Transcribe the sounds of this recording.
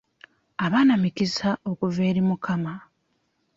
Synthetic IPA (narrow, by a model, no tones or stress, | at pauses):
aβaːnamikisaʔo̞kuveːɾimukʰama